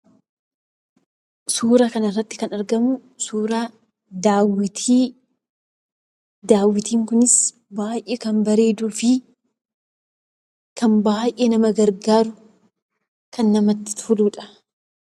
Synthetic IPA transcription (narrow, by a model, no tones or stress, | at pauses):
suːɾɐkɐnɪrːɐt̪ːɪ̥kɐnɐɾɡɐmʊ | suːɾa | d̪aːwɪt̪iː | d̪aːwːɪt̪iːŋkʊnɪs | baːjʔeːkɐmbɐɾe̞ːd̪uːfɪ | kɐmbaːjʔeːnɐmɐɡɐɾɡaːɾʊ | kɐnːɐmɐt̪ːɪ̥t̪fʊluːᶑɐ̥